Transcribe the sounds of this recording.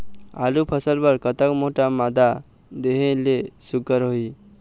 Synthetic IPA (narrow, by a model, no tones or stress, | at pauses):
a̰lupʰəsəlbəɾkət̪əkmoʈamad̪a | d̪eɦẽlesuɡəɾɦoi